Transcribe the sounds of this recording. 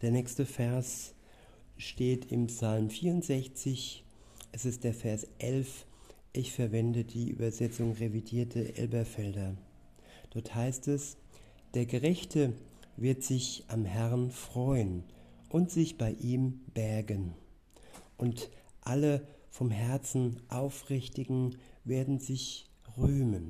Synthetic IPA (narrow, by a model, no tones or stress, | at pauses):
d̥eːɐnɛːkstəfɛɐs | ʃteːtʰɪ̰mpsalmfiːɐʁʊntz̥ɛçt͡sɪç | ʔɛsɪst̚d̥eːɐfɛɐsʔɛlfʔɪçfɛɐvɛndədiːʔy̰ːbɐzɛt͡sʊŋʁevidiːɐtʰəʔɛ̰lbɐfɛldɐ | d̥ɔɐthaɪstɛs | d̥eːɐɡəʁɛçtʰəvɪɐtz̥ɪçʔamhɛʁnfʁ̥ɔʏən | ʔʊntz̥ɪçb̥aɪʔiːmb̥ɛɐɡən | ʔʊntʔalə | fɔmɦɛɐt͡sn̩ʔaʊfʁɪçtɪɡŋ̩veːɐdn̩zɪç | ʁyːmən